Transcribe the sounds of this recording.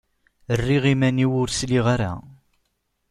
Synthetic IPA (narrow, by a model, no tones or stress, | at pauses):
ərːiʁimæniwʊɾsliʁaɾa̰